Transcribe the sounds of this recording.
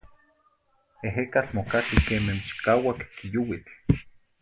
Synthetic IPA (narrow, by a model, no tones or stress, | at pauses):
eɦekat͡ɬmokakikeːment͡ʃi̥kaːwakːijuwit͡ɬ